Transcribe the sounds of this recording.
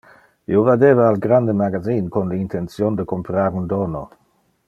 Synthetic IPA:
ḭovad̪eːvaːlɡɾand̪əmaɡaziːnkonləint̪ʰent͡sjond̪əkompɾaːɾund̪ono

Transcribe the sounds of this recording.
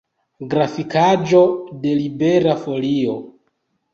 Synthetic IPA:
ɡɾafikad͡ʒo̞de̞libeɾafo̞lio̞̰

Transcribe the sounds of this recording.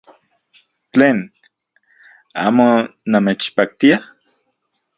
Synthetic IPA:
t͡ɬeːn | a̰ːmonamet͡ʃpak̚t̪ia

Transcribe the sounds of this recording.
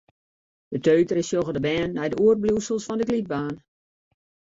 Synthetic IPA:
d̥ətʰøːtəɾɪsjoɣədəbɛːnːɛjdəʔuər̚bljuːsəlˠsfɔndəɡlit̚baːn

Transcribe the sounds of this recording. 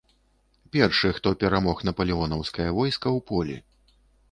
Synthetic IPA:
pʲɛrʂɨxt̪ɔpʲɛɾamɔxnɐpɐlʲiɔnɐwskɐjɐvɔjskɐwpɔlʲḭ

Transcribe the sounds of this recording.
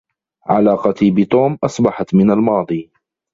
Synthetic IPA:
ʕalɑːqɑt̪ibɪt̪ˤoːmʔɑsˤbɑħɑt̪mɪnalmɑːd̪ˤiː

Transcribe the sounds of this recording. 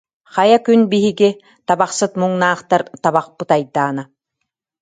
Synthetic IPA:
χajakynbiɦiɡi | t̪abaχsɯt̪muŋnaːχt̪aɾt̪aβaχpɯt̪ajd̪ːaːna

